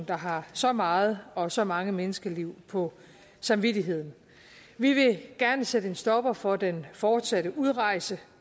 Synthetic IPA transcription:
n̩d̥ɑ̈ɦɑ̈sɒ̽mɑ̈ːð̞̩ˠɒ̽sɒ̽mɑ̈ŋəmenəsɡ̥ɐliʊ̰pʰɒ̽ | sɑ̈mʋid̥iɦe̝ð̞̰ˠn̩ | ʋiʋe̝ɡ̥æɐnəsedəe̝nsd̥ɒ̽b̥ɐfɒ̽d̥enfɒːd̥sæɾəʔuð̞ˠʁɑ̈ɪ̰sə

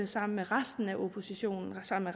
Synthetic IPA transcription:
əsɑ̈m̰n̩meʁasd̥n̩æʔo̝pʰo̝siɕo̝̰ːnn̩sɑ̈m̰̩me

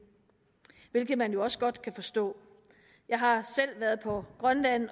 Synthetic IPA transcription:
ʋe̝lɡ̥ð̩ˠmænjo̝ɒ̽sə̥ɡ̥ɒ̽d̥kʰæfɒ̽sd̥ɔ̰̽ː | jɑ̈ɪɦɑ̈sel̰ʋæɐð̞ˠpʰɒ̽ɡ̥ʁɶnlæn̰

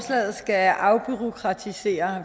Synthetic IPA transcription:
slɛ̰ːð̩ˠsɡ̥æʔɑ̈ʊb̥yʁo̝kʰʁɑ̈t͡sʰise̝̰ːɐ

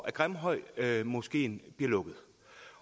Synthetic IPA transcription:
æɡ̥ʁamɦɒ̽ɪ̰mɔ̽sɡ̥e̝̰ːnb̥iɐlɔ̽ɡ̥ð̩ˠ

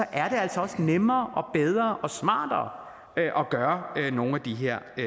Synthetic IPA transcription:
ɒ̽ʔæɐɾ̥e̝æl̰sɒɒ̽snemɐːʔɒ̽b̥eð̞ˠʁɐːʔɒ̽smɑ̰̈ːd̥ɐː | ʔɒ̽ɡ̥ɶːɐno̝ːn̩æd̥iɦeɐ̰

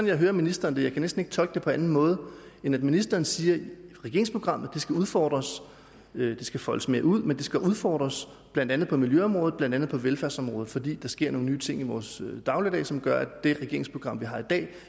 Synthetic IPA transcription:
sn̩jɑ̈ɪɦøːɐminisd̥ɐːnd̥ejɑ̈ɪkʰænesd̥n̩eɡ̥̚t͡sʰɒ̽lɡ̥d̥e̝pʰɒ̽ænn̩mɔ̽ːð̞̩ˠenæd̥minisd̥ɐːn̩siːɐʁɛɡ̥e̝ɐ̰ɪŋspʰo̝ɡ̥ʁɑ̈m̰ð̩ˠd̥esɡ̥æuð̞ˠfɒ̰ːd̥ʁɐs | d̥e̝sɡ̥æfɒləsme̝ːɐuð̞̰ˠmend̥e̝sɡ̥æuð̞ˠfɒ̰ːd̥ʁɐs | b̥lænd̥ænð̩ˠpʰɒ̽miljøɒ̽mʁɔːð̩ˠblænd̥ænð̩ˠpʰɒ̽ʋelfæɐsɒ̽mʁɔːð̩ˠfɒ̽d̥ḭːd̥ɑ̈sɡ̥e̝ɐ̰no̝ːŋnyːt͡sʰe̝ŋ̰iʋɒːsd̥ɑ̈ʊləd̥ɛ̰ːsɒ̽mɡ̥ɶɐæd̥e̝ʁɛɡ̥e̝ɐ̰ɪŋspʰʁoɡ̥ɑ̈m̰ʋiɦɑ̈id̥ɛ̰ː

